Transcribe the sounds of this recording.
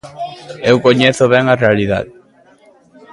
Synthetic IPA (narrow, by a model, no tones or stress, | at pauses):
ewkoɲeθʊβɛŋarealiða̰ð